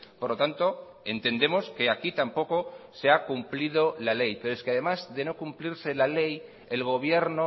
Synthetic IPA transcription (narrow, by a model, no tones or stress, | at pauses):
poɾlot̪ant̪o̞ | e̞nt̪ẽ̞nd̪e̞mo̞ske̞akit̪ampo̞ko̞seakumplið̞olale̞jpe̞ɾoeskeaðe̞mazðe̞no̞kumpliɾse̞lale̞j | elɣ̞o̞β̞je̞ɾno